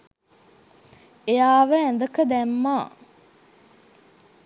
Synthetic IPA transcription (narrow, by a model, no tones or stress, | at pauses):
ejaːʋəænd̪əkəd̪æmːaː